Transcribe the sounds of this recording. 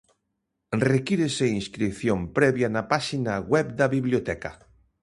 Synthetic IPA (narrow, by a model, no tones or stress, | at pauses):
rekiɾeseinskɾipθjompɾɛβjanapaʃinaɣwɛpd̪aβiβljot̪ɛka̰